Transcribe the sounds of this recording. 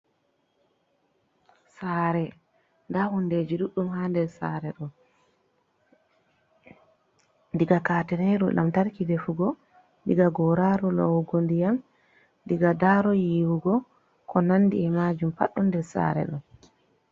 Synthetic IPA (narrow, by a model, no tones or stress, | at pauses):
saːɾɛ | ndahunded͡ʒiɗuɗːumhandɛɾsa̰ːɾɛɗɔ | ndiɡakaːtɛnɛɾṵlʔa̰mtaɾkidɛfuɡɔ | ndiɡaɡɔɾaɾɔlo̰wuɡondijam | ndiɡadaɾɔjiːwuɡɔ | kʰɔnanːdiɛmad͡ʒumpa̰ɗːundɛɾsa̰ːɾɛ̰ɗɔ